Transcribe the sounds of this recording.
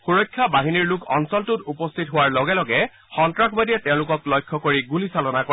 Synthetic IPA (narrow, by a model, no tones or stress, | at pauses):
xuɹɔjkʰːabaɦiniɹlukʰɔnsɔltutupɔstʰitɦʊwaɹlɔɡɛlɔɡɛ | xɔntɹakʰbadiɛtɛʊ̃lʊkɔklɔjkʰːɔkoɹiɡulisalɔnak